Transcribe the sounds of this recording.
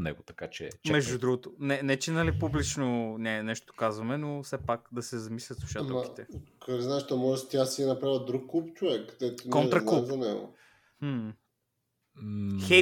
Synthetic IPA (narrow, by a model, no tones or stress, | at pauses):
nɛ̰ɡot̪ɐkat͡ʃɛ̰t͡ʃɛmɛʒd̪ud̪ɾuɡot̪onɛnɛt͡ʃɛnɐlipublit͡ʃnonʲɛnɛʃt̪ot̪o̥kazvɐmɛnofsɛpakd̪ɐsɛzɐmislʲɐt̪sˠuʃat̪ɛki̥t̪ɛkoɾɛznaɛʃt̪ɔmɔʒɛst̪ʲjasiɛnɐpɾavəd̪ɾukːupt͡ʃovɛkːd̪ɛt̪okonɾɐk̪uzɐnɛɡo̰ | mm̩ | xɛ